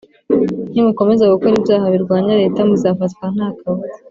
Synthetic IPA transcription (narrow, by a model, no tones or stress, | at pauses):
n̥imuko̞me̞zakukoɾibjaːhaβiɾɡwaːɲaɾe̞ːtamuzaːfatkwan̥aːkawo